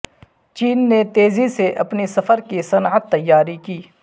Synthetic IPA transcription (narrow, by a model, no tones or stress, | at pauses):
t͡ʃiːnːet̪eːziseʔɐpnisɐfəɾkisɐnʕət̪ːɐjːaːɾikiː